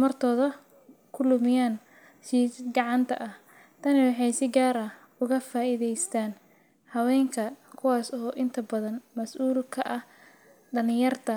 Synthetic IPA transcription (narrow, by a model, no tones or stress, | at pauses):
mɐrt̪ʰɔːðɐ | kʰʊlʊmɪjaːn | ʃiːsɡɑʕɑnt̪ʰɐ̰ʔɐh | t̪ʰɐnɪwɑħɑjsɪɡaːɾɐ | ʊɣɐfaːʔɪðɛjst̪ʰaːn | hɐwɛːŋkʰɐkʰʊwaːsɔːʔɪnt̪ʰɐbɐðɐnmɐsʔuːlkʰɐʔɐh | ɖɐlɪjɐrt̪ʰɐ